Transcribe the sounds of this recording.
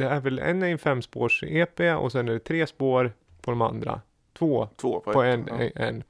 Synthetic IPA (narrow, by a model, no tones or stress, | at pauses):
d̪ɛæɾvɛlɛ̰nːɛjnfɛmːspoːʂeːpeːɔ̰sɛnæɖɛt̪ʰɾeːspoːɾ | pʰɔd̪ɔma̰nd̪ɾa̰ | t̪ʰvoːpɔɛnɛ̰nː